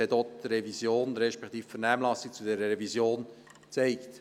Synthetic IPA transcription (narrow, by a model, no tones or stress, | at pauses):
ɛtot̪ɾɛvisjoːnɾɛʃpɛkt̪iːffəɾnæːmlɑsik̚t͡sudɛɾəɾɛvizjoːn | t͡sɛɪkt